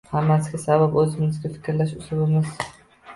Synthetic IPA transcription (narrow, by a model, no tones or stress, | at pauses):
hamːasɡʲasababɵzɪmɪzɡʲafɪ̥kʲɾlaʃʊsʊbɪmɪz̥